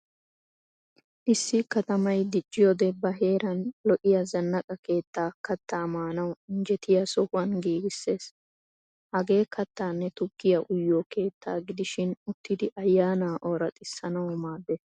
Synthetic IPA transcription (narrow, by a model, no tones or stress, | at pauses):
ʔɪsːɪkɐt̪ɐmɐjd̪ɪt͡ʃʼːɪjod̪ɛbːɐɦe̞ːɾɐnlɔʔɪjɐzɐnːɐkʼɐke̞ːt̪ːaːkɐt̪ːaːmaːnɐwɪnd͡ʒɛt̪ɪjɐsɔhʊwɐnɡiːɡɪsːe̞ːs | hɐɡe̞ːkʰɐt̪ːaːnːɛt̪ʊɡ̥ːɪjɐʔʊjːoːke̞ːt̪ʰːaːɡɪd̪ɪʃɪnʊt̪ːɪd̪ɪʔɐjːaːnaːʔoːɾɐt̪ʼɪsːɐnɐwɔmaːd̪ːes